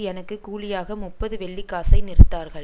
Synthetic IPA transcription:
ɛnɐkːɯkuːlɪjaːɣɐmʊppːɐðɯʋɛɭːɪkːaːsɐɪnɪɾɯt̪ːaːɾɣɐɭ

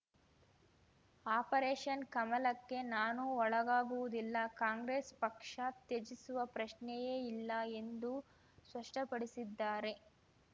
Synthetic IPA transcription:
aːpɐɾeːʂɐnkɐmɐlɐkːe̞naːnuɔɭɐɡaːɡuʋud̪ilːɐkaːŋɡɾeːspɐkʂɐt̪ed͡ʒisuʋɐpɾɐʃnɛjeːilːɐe̞nd̪u | sʋɐʂʈɐpɐɽisid̪ːaːɾe̞

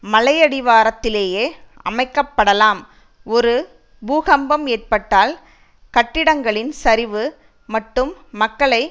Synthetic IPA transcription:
mɐlɐjɐɽɪʋaːɾɐt̪ːɪleːjeːɐ̰mɐɪkːɐpːɐɽɐlaːm | ɔɾɯ | buːɣɐmbɐmeːrpɐʈːaːl | kɐʈːɪɽɐŋɡɐɭɪnsɐɾɪʋɯ | mɐʈːɯmːɐkːɐɭɐɪ

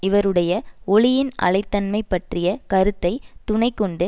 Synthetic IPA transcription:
ɪʋɐɾɯɽɐjɐɔɭɪjɪnɐ̰ɭɐɪt̪ːɐnmɐɪpːɐʈrɪjɐkɐɾɯt̪ːɐɪt̪ʊnɐɪkːɔɳɖɯ

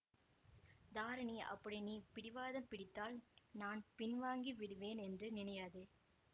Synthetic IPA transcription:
d̪aːɾɐɳiɐ̰pːɐɽiniːpɪɽɪʋaːðɐmpɪɽɪt̪ːaːlnaːnpɪnʋaːŋɡiʋɪɽɯʋeːnɛndrɯnɪnɐjaːðɯ

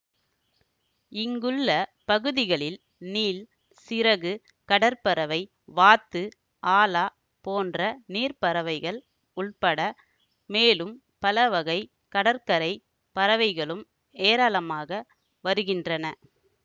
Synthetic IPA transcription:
ɪŋɡɯɭːɐpɐɣɯðɪɣɐɭɪl | niːl | sɪɾɐɣɯ | kɐɽɐɾpɐɾɐʋɐɪ | ʋaːt̪ːɯ | ʔaːlaː | poːndrɐniːrpɐɾɐʋɐɪɣɐɭ | ʊɭpɐɽɐ | meːlɯm | pɐlɐʋɐɣɐɪ | kɐɽɐɾkɐɾɐɪ | pɐɾɐʋɐɪɣɐɭɯm | eːɾaːlɐmaːɣɐ | ʋɐɾɯɣɪndrɐnɐ

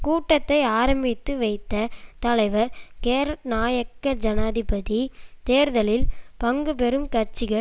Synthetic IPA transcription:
kuːʈːɐt̪ːɐɪaːɾɐmbɪt̪ːɯʋɐɪt̪ːɐt̪ɐlɐɪʋɐɾkeːɾɐlnaːjɐkːɐɾd͡ʒɐnaːðɪpɐðit̪eːɾðɐlɪlpɐŋɡɯpɛɾɯmkɐɾt͡ʃɪɣɐ

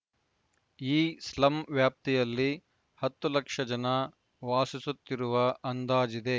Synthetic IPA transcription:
iːslɐmʋjaːp̚t̪ɛjɐlːi | hɐt̪ːulɐkʂɐd͡ʒɐnɐ | ʋaːsisut̪ːiɾuʋɐʔɐnd̪aːd͡ʒid̪e̞

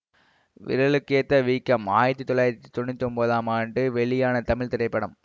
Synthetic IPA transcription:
ʋɪ̰ɾɐɭɯkːeːt̪ːɐʋiːkːɐmaːjɪɾɐt̪ːɯt̪ːɔɭaːjɪɾɐt̪ːɯ̥t̪ːʊɳːɪt̪ːɯmpoːðaːmaːɳɖɯʋɛɭɪjaːnɐt̪ɐmɪɭt̪ɪɾɐɪpːɐɽɐm

